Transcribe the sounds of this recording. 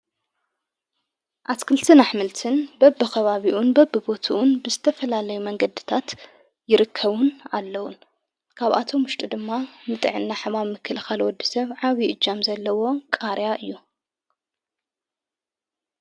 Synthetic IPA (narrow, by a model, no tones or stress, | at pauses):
ʔat̪kʰɨlt̪ʰɨnaħmɨlt̪ʰɨnbɐbːɨkɐβaβiʔunbɐbːɨbo̞t̪ʰuʔunbɨzɨt̪ʰɐfɐlalɐjumɐŋɡɐd̪ɨt̪ʰat̪ | jɪɾɨkʰːɐβuna̰lːɐwun | kʰaβʔa̰t̪ʰo̞mʊʃt̪ʼid̪ɨmːanɨt̪ʼɨ̰ʕɨnːaħɨmaβmːɨkʰːɨlɨxalwɔd̪ːisɐβʕaβiʔɨd͡ʒːamzɐlːɐwo̞kʼaɾjaʔɨjːu